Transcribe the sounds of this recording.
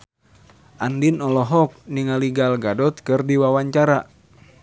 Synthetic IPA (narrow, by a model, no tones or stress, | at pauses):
ʔandinɔlɔɦɔk̚niŋaliɡalɡadɔt̪̚kɨrdiwawaɲt͡ʃaɾa